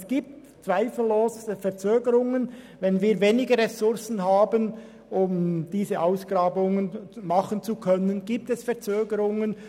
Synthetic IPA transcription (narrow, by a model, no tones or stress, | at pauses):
sɡ̥iːp̚t | t͡sv̥aɪfl̩ːoːsəfɛɐʁt͡søːɡəɾʊŋən | vɛnviːɐveːnɪɡəʁɛsʊɾsn̩ɦaːbən | ʊmd̥iːzəʔaʊsɡ̥ʁɑːbʊŋənmɑχənt͡sukʰœnənɡ̥iːp̚tɛsfɛʁt͡søːɡəɾʊŋən